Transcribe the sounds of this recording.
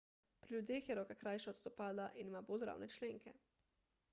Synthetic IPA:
pɾiljud̪jeːxjɛɾɔːkakɾajʃaɔt̪st̪ɔpaːd̪laʔinimabolɾa̰wnɛt͡ʃleːŋkɛ

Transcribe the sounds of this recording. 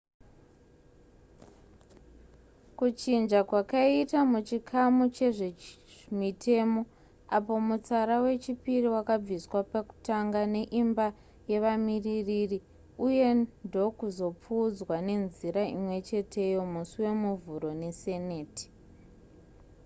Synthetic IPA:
kut͡ʃind͡ʒakwakaitamut͡ʃikʰamut͡ʃe̞ʐemitʰe̞mo̞ | apo̞mut͡saɾawe̞t͡ʃipiriwakab͡viswapaku̥taŋɡane̞ʔimba | je̞ʋamiririri | uje̞ndo̞kuzo̞p͡fud͡zwane̞nziɾaimwe̞t͡ʃe̞tʰe̞jo̞musiwe̞muvuɾo̞ne̞se̞ne̞ːti̥

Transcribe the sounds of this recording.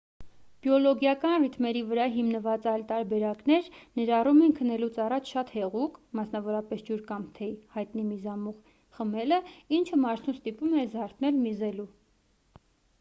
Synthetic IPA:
b̥jɔlɔɡjɑkɑnrit̪mɛɾivəɾɑɦimnəvɑt͡sɑjlt̪ɑɾbɛɾɑknɛɾnəɾɑrumɛnkʰənɛlut͡sʰɑrɑt͡ʃʰʃɑt̪hɛʁukmɑsnɑvɔɾɑpɛsd͡ʒuɾkɑmt̪ʰɛhɑjt̪nimizɑmuʁ | χəmɛləint͡ʃʰəmɑɾt̪ʰust̪ipumɛzɑɾt̪ʰnɛlmizɛlu

